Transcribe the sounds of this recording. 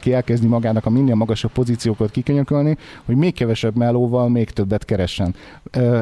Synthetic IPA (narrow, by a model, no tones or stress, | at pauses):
kiɛlkɛzdnimɒɡaːnɒkɒmind̪eːlmɒɡɒʃɒpːo̞ziːt̪sijoːkot̪̚kikøɲøkølniho̞ɟmeːkːɛvɛʃɛbmɛlːoːvɒlmeːkt̪ø̞bːɛt̪kɛɾɛʃːɛn